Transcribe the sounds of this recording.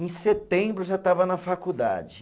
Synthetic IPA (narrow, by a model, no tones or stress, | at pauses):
ẽset̪ẽbɾʊʒat̪avɐnɐfakud̪a̰d͡ʒɪ